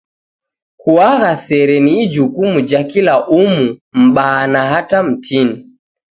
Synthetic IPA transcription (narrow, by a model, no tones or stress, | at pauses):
kuaɣasɛɾɛniːd͡ʒukumud͡ʒakilaʔumum̩ɓaːnaɦatam̩tʰini